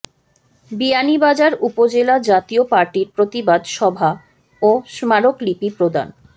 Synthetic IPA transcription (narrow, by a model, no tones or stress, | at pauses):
bianibad͡ʑaɾupod͡ʑelad͡ʑat̪iopaɾʈiɾpɾot̪ibad̪ʃɔbʱa | oʃmaɾoklipipɾod̪a̰n